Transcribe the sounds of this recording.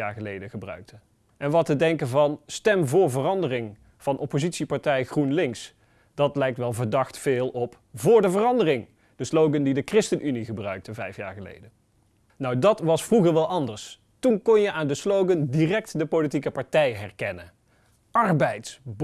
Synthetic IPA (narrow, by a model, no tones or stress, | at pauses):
a̰ːɹχəlejdəɣəbrœ̰ɥk̚tʰə | ʔɛnʋɑtədɛŋkəvɑnstɛmvʊːɹvərɑndərɪŋ | v̥ɑnʔɔpozitsipaɹtɛjɣrunlɪŋs | d̥ɑtlɛjk̚tʋɛlˠvəɹdɑχtfɪːlˠɔp | vʊːɹdəvərɑndərɪŋ | d̥əslowɡəndidəkrɪstənʔyniɣəbrœɥk̚təvɛjfja̰ːɹχəlḛjdə | nɔwdɑtʋɑsfruɣəɹʋɛlˠʔɑndəɹs | tunkɔnjəʔaːndəslowɡəndirɛk̚tdəpolit̬ikəpɑɹtɛjɦɛrkɛnə | ɑrbɛjtsb